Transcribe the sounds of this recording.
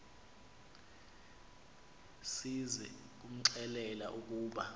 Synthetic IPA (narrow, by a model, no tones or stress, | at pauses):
sizɛ̰ | k̬ʼum̩ǀɛlɛla̰ʔuk̬ʼuːɓa